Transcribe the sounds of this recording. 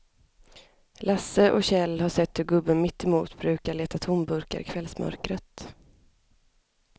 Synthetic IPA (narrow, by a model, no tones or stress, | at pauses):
lasːəʔɔ̰ɕɛlːhaʂɛt̪ːhɵɾɡɵbːənmɪt̪ːɛmṵːt̪bɾʉ̟ːkaɭeːt̪at̪ʰʊmbɵɾka̰ɾɪkʰvɛlsmœ̰ɾkɾət̪